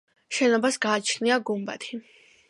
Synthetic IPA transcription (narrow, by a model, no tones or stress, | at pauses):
ʃɛnɔbasɡaːt͡ʃʰniaɡumba̰t̪ʰi